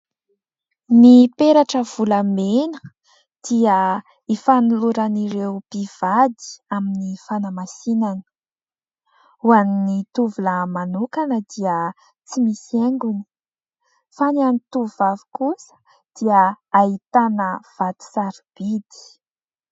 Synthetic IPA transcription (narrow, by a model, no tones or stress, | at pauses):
nipeɾaʈ͡ʂəv̥uləmenə̥ | d̪̥iə | ifanuluɾaniɾewpiv̥ad̪i̥aminifanamasinanə̥ | uaninit̪uvuləmanukanəd̪iə | t͡simiseŋɡuni̥ | fananit̪uvavi̥kusə̥ | d̪̥iəːit̪anəv̥ad̪̥i̥saɾib̥id̪i̥